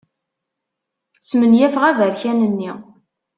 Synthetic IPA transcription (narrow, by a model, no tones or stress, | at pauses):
smənjæfʁævæçænənːi